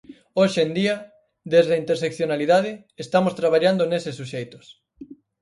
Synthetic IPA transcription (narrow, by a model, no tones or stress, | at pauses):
oʃend̪iɐ | ðezðɐint̪eɾsekθjonaliðað̞ɪ | est̪amost̪ɾaβ̞aʎand̪onesɪsːuʃejt̪ʊ̥s